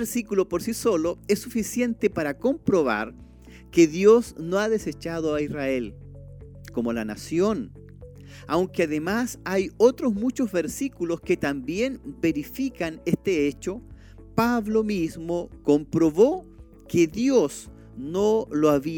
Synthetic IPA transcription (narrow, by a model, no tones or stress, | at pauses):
ɾsikulopoɾsisoloesːufisje̞nt̪epaɾako̞mpɾoβa̰ɾ | keðjoznoaðeset͡ʃaðoaisrael | ko̞molana̰sjo̞n | awŋkeaðemasajot̪ɾozmut͡ʃozβeɾsikulo̞sket̪ambje̞nbe̞ɾifikanest̪eet͡ʃo | paβlomizmoko̞mpɾoβo | keðjos | noloaβi